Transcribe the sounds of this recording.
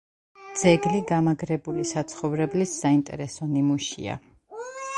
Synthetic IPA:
d̪z̥ɛɡliɡamaɡɾɛbulisat̪sʰχɔvɾɛblisːaint̪ʼɛ̰ɾɛsɔnimuʃḭa̰

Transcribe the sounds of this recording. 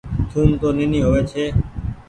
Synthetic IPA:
t̪ʰuːnt̪oːneniːɦoːeːt͡ʃʰeː

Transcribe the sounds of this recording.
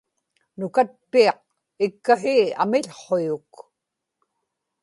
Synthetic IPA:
nʊkat̪̚piɑq̚ | ɪkːaɦia̰mɪʎχojʊk

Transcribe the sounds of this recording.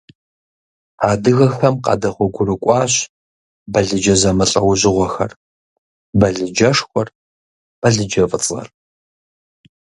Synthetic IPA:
aːdɨɣɐxɐmqɑ̰ːdɐχʷʊɡʷʊrɨkʷʼɑːɕ | bɐɮɨd͡ʒɐzɐmɐɬʼɐwʑɪʁʷɔxɐ̰r | bɐɮɨd͡ʒɐʂxʷɔr | b̥ɐɮɨd͡ʒɐvʼɨt͡sʼʁɐ̰r

